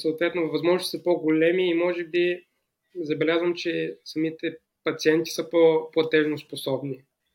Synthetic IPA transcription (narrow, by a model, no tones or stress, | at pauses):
sɐoːt̪vɛt̪novɐzmɔʒnosisəpoɡolɛmiːmɔʒɛbi | zɐbɛlʲazvəmt͡ʃɛsɐmit̪ɛ | pɐt̪siɛnt̪i̥səpoplˠɐt̪ɛʒnosposɔbni